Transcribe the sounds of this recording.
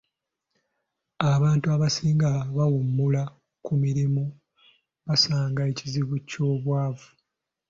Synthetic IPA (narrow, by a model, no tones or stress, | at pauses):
aβaːntuaβasiːŋɡaβawumːula | kumiɾimu | βasaːŋɡae̞ciziβuco̞ːβwaːvu